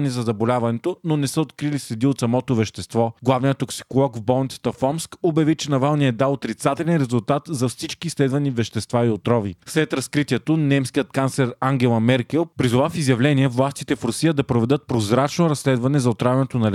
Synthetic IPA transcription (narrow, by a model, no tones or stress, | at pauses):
nɛzɐzɐbolʲavɐnɛt̪ononɛsəot̪kɾilislɛd̪iot̪sɐmɔt̪ovɛʃt̪ɛst̪vɔɡlˠavnijət̪ːoksi̥kolˠɔkvbɔlˠnit̪sə̥t̪ɐfɔmskobjɐvit͡ʃɛnɐvalˠnijɛd̪aot̪ɾit̪sat̪ɛlɛnɾɛzʊlˠt̪at̪zɐfsit͡ʃkiːslɛd̪vɐnivɛʃt̪ɛst̪vaiot̪ɾɔvḭslɛt̪ɾɐskɾit̪ʲiɛt̪onɛmskijət̪kant̪slɛɾaŋɡʲɛlˠɐmɛɾkɛlˠpɾizʊvafizjɐvlɛniɛvlˠast̪it̪ɛfɾʊsijəd̪ɐpɾovɛd̪ɤt̪̚pɾozɾat͡ʃnoɾɐsːlɛd̪vɐnɛzɐot̪ɾavʲɛnɛt̪onɐlɛ